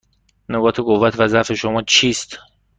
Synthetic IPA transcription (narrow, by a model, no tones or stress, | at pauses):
noɡɒːt̪ʰeɡovæt̪ʰvæzæfe̞ʃomɒːt͡ʃʰiːst̪